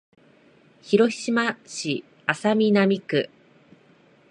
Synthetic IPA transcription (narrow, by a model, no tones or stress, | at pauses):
çiɾo̞çʲi̥ɕimaɕi | asamʲinamʲikɯ̟̰